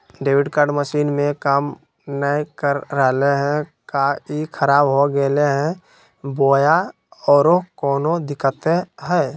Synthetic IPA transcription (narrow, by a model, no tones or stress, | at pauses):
ɖeːwɪɖkaːɾɖməʃiːnmẽkaːm | nəikəɾːəɦleɦɛ̃kaikʰəɾaːbɦoɡɛleɦɛ̃ | boːja | ɔːɾokɔːnod̪ɪkət̪eɦɛː